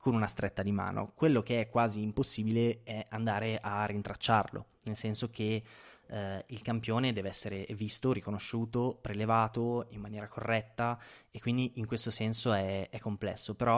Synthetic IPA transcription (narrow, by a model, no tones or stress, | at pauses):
kʰonunast̪ɾet̪ːad̪ima̰ːno̰kwelːokeɛkːwaːziːmposːiːbileɛand̪aːɾeʔarːint̪ɾat͡ʃːarlo̰ | nelsɛnsok̟e | ilkampjoːned̪ɛːveɛsːeɾevist̪oɾikonoʃːuːt̪opɾelevaːt̪oimːanjɛːɾakʰorːɛt̪ːaekːwind̪iʔiŋkwest̪osɛnsoɛɛkːomplɛ̰sːopeɾɔ